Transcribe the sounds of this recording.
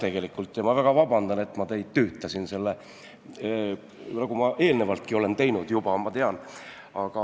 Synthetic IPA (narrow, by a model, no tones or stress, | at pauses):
t̪e̞ɡ̥e̞likːult̪ˑːjɑmɑvæɡ̥ɑvɑbɑnd̪̥ɑne̞t̪ːˑmɑt̪e̞jd̪̥̚t̪yːt̪ːˑɑsinse̞lːe | nɑɡumɑʔe̞ːlnevɑlt̪̚kio̞le̞nt̪e̞jnud̪̥jub̥ɑmɑt̪eɑn | ɑɡ̥ɑ